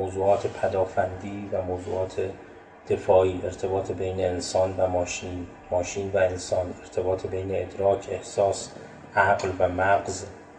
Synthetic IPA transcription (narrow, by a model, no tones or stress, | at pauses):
oːzuːɒːt̪ʰepʰæd̪ɒːfænd̪iːvæmowzṵːʔɒːt̪ʰe | d̪̥e̞fɒːiːʔe̞ɾt̪ʰe̞bɒːt̪ʰebe̞jneːnsɒːnvæmːʃin | mɒːʃiːnvæensɒːne̞ɾt̪ʰe̞bɒːt̪ʰebejneːd̪ɾɒːcʰe̞hsɒːs | ʔæɢlvæmæɢz